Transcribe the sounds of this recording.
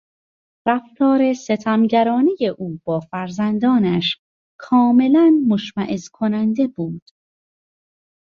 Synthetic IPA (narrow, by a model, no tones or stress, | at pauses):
ræft̪ʰɒːɾe̞se̞t̪ʰæmɟæɾɒːneje̞ʔuːb̥ɒːfæɾzænd̪ɒːnæʃ | kʰɒːme̞lænmoʃmæʔezkʰo̞nænd̪e̞buːd̪̥